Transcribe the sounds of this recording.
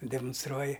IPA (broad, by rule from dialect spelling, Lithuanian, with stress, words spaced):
dʲɛmʊnsˈtruɔjɪ